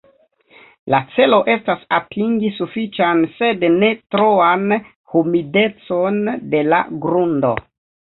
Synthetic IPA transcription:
lat͡se̞lo̞ʔe̞stasatʰiŋɡisufit͡ʃanse̞dne̞tɾo̞an | humide̞t͡so̞nde̞la̰ɡɾundo̞̰

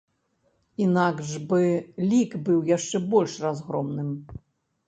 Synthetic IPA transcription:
inaɡʐbɨlʲikbɨwjaʂt͡ʂɛbɔlʲʂrazɣɾɔmnɨm

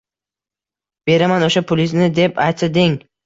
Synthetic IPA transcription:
b̥e̞ɾamanoʃapʰʊlɪznɪd̪e̞pʰajt̪sɪd̪ɪŋ

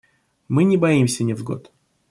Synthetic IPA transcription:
mɨnʲɪbɐimsʲənʲɪvɡo̰t̪

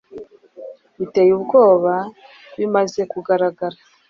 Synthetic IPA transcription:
βitejubɡo̞ːβa | βimaze̞kuɡaɾaɡaɾa

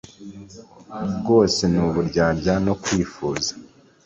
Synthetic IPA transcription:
bɡo̞ːse̞nuβuɾɟaːbɟano̞kwiːfuːzḁ

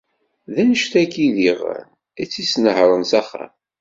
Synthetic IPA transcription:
ðænəʃθækiðiʁə̰n | æt͡sːisnəhɾˤənsæχa̰

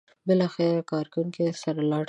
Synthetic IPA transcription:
bɪlɑxɪɾakɑɾkawuŋkesaɾalɑɽ

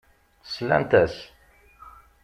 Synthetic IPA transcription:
slæ̰nt̪æs

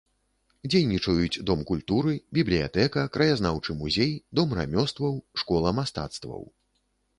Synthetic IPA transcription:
d͡zʲejnʲit͡ʂɐjut͡sʲd̪ɔmkulʲt̪uɾɨbʲiblʲija̰t̪ɛkɐkɾɐjaznawt͡ʂɨmuzʲejd̪ɔmra̰mʲɔst̪vɐwʂkɔlˠɐmast̪a̰t̪st̪vɐ̰w

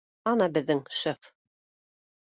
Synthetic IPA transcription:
ɑnɑbɘ̆ðːɘŋʃef

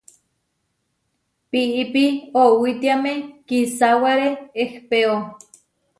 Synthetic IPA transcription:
piʔipiowit̪iamekisawaɾeehpeo

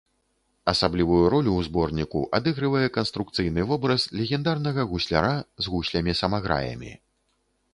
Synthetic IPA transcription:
ɐsablʲivujuɾɔlʲuwzbɔrnʲikṵʔad̪ɨɣɾɨvɐjɛkɐnst̪ɾukt̪sɨjnɨvɔbɾɐslʲɛɣʲɛnd̪arnɐɣɐɣusʲlʲa̰ɾazɣusʲlʲɐmʲisɐmaɣɾa̰jɐ̰mʲḭ

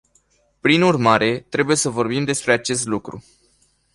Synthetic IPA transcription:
pɾinurmaɾe̞t̪ɾe̞buje̞səvo̞rbimd̪e̞spɾe̞at͡ʃe̞st̪lukɾṵ

